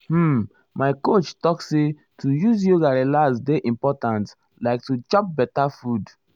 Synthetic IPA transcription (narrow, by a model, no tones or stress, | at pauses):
maɪkot͡ʃtɔkse | tʰujuzjoɡaɹelazdeʔĩmpɔtãnt | laɪk̚tut͡ʃɔ̃p̚bɛtafud